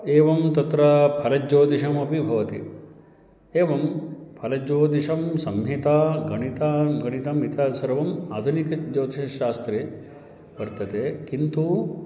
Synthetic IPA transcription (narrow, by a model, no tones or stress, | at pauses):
eːʋɐmt̪ɐt̪ɾɐpʰɐlɐd͡ʒoːd̪iʃɐmɐbibʱɐʋɐt̪ḭ | eːʋɐmpʰɐlɐd͡ʒoːd̪iʂɐmsɐmjit̪aɡɐɳ̃it̪aːɡɐɽ̃it̪ɐmit̪aːsɐɾʋɐma̰ːd̪ʱunikɐd͡ʒoːt̪iʃɐʃaːst̪ɾeː | ʋɐɾt̪ɐt̪eːkint̪u